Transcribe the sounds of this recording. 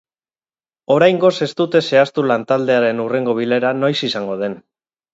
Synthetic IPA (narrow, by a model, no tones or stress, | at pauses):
o̞ɾajŋɡo̞se̞st̪ut̪e̞se̞ast̪ulant̪ald̪e̞aɾe̞nure̞ŋɡo̞β̞ile̞ɾano̞jsisaŋɡo̞ð̞e̞n